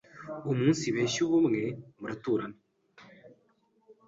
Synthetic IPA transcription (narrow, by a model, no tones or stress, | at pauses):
umuːnsiβeːʃuβumŋemuɾatuːɾana